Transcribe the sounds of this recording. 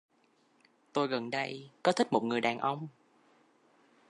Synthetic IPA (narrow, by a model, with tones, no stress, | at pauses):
t̪o˧jɣə˨˩nɗə˧jkɔ˨˦t̪ʰi˦˥k̚mo˨˩t̚ŋɨ˨˩əjɗaː˨˩nʔə˧wŋ͡m